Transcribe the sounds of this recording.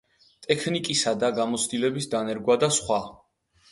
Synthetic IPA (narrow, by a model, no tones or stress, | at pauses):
t̪ʼɛkʰnikʼisad̪aɡamɔt̪sʰd̪ilɛbisd̪anɛɾɡwad̪asχwa